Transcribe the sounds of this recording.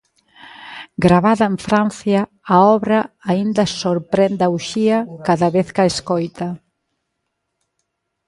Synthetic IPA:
ɡɾaβaðɐeɱfɾanθjɐː | ɔβɾɐːind̪ɐsoɾpɾɛnd̪awʃiɐkaðɐβeθkaeskojt̪ɐ

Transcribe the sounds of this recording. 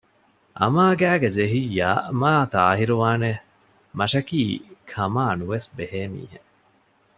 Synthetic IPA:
ʔɐ̰maːɡæːɡed͡ʒeɦijaːʔmaːt̪aːɦiɾuʋaːne | mɐʃɐkiːkʰɐmaːnuʋesbeheːmḭːɦḛ

